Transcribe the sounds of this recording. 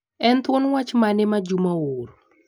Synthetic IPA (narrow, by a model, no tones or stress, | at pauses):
ɛnt̪wonwat͡ʃmanɪmad͡ʒumawoɾ